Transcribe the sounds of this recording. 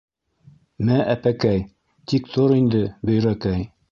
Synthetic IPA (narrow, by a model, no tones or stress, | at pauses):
mæʔæpækæj | t̪ikt̪oɾind̪ɘbɵ̆jɾækæj